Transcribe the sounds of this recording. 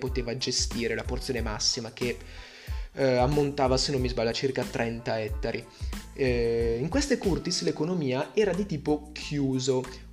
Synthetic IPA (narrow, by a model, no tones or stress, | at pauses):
pot̪eːvad͡ʒest̪iːɾelaport̪sjoːnemasːimak̟e | amːont̪aːvasenːomːizbalːat͡ʃirkat̪ːɾʔɛnt̪aɛt̪ːaɾʔi | iŋkwest̪ekurt̪islekonomiːaɛːɾad̪it̪iːpokʰjuːzo